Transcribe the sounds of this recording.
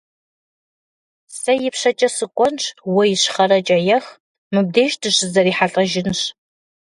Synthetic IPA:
sɐjɪpʂɐt͡ʃʼɐsɨkʷʼɔnʈ͡ʂʰwɔjɪɕχɐɾɐt͡ʃʼɐjɛx | mɨb̚deːʒtʰɨɕɨzɐɾiːħaɬʼɐʒɪnɕ

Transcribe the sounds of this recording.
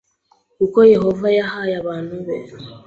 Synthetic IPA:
kukoje̞hovajahajaβaːn̤uβe

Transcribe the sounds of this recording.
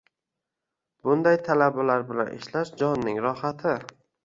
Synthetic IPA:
bʊnd̪ajt̪ʰalabalaɾbɪla̰nʔɪ̰ʃlaʃd͡ʒɒnːɪŋɾɒhat̪ʰɪ

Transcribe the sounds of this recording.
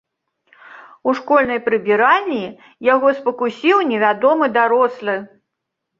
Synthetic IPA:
uʂkɔlʲnɐjpɾɨbʲiɾalʲːi | jaɣɔspɐkusʲiwnʲɛvʲad̪ɔmɨd̪aɾɔslˠɨ

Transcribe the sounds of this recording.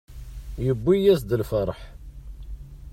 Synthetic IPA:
jəbːijæsd̪əlfəɾˤħ

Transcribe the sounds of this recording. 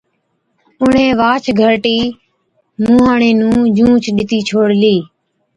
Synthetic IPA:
ʊɳ̤ẽːʋaːt͡ʃʰɡʱəɾʈiː | mũːɦãːɳeːnũːd͡ʒũːt͡ʃɗɪt̪iːt͡ʃʰoːɽliː

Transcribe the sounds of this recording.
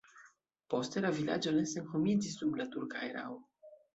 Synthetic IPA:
po̞st̪e̞lavila̰d͡ʒo̞nesenkomint͡sisublatuɾkaeɾa̰w

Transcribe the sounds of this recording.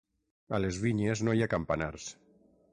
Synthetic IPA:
alezβiɲeznojakampanaɾs

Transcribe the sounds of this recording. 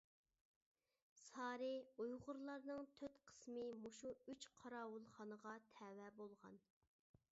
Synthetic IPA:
sɑːɾɨujʁʊɾlˠɑɾnɨŋt̪ʰøt̪qʰə̥smɨmoʃuyt͡ʃqʰɑɾɑːwulˠχɑnəʁɑt̪ʰɛːwɛbolˠʁɑ̰n

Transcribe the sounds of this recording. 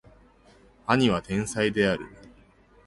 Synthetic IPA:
aɲ̟iβ̞at̪ẽ̞ɰ̃said̪e̞aɾɯ̟̰

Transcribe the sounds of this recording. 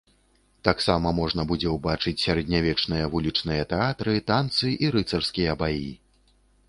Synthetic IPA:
t̪aksamɐmɔʐn̪ɐbud͡zʲɛwbat͡ʂɨt͡sʲsʲaɾɐd̪ʲnʲavʲɛt͡ʂnɨjɐvulʲit͡ʂnɨjɐt̪ɛat̪ɾɨt̪ant̪sɨʔiɾɨt̪sɐrskʲijɐbaji

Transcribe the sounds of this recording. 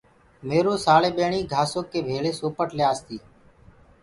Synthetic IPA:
meːɾoːsaːleːɓeːɳiːɡʱaːsoːkːeːbʱeːɭeːsoːpəʈlɪjaːst̪iː

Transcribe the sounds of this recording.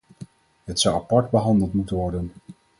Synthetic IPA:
ɦətsʌwapɑɹdbəɦɑndəlˠtmutənʋɔɹdən

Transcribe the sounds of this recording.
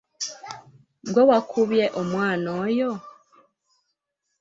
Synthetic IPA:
ɡwowakʰuβjeʔomwaːnojo

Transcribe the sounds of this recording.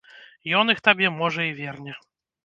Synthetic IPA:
jɔnixt̪abʲɛmɔʐɐivʲɛrnʲɛ

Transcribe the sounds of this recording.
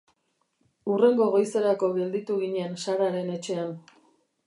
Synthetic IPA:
ure̞ŋɡo̞ɣo̞jse̞ɾako̞ɣe̞ld̪it̪uɣiɲensaɾaɾe̞ne̞t͡ʃe̞an

